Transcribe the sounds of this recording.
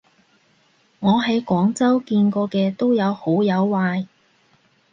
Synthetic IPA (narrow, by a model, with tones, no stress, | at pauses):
ŋɔː˨˧ɦɐ˨˥jkʷɔː˨˥ŋt͡sɐ˥wkiː˧nkɔː˧kɛː˧t̪o˥wjɐ˨˧who˨˥wjɐ˨˧wːaː˧j